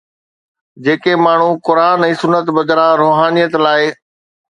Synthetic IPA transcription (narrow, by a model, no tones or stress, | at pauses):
d͡ʑeːkemaːɳ̤ukʊɾaːnɛ̃ːsʊnːət̪bɐd̪ʱɾãɾoːɦaːnijət̪laːɪ